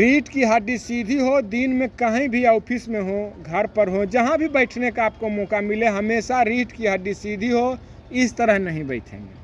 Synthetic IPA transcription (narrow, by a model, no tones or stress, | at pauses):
ɾiːʈkiɦəɖisid̪ʱiɦod̪inmẽkəɦĩbʱiaːpʰismẽɦoɡʱəɾpəɾɦod͡ʒəɦãbʱibəɪʈʰnekaaːp̚komɔːkamileɦəmeːsaɾiːʈkiɦəɖisid̪ʱiɦo | ɪst̪əɾəɦnəɦĩbəɪt̪ʰɦɛ̰̃ːŋɡḛː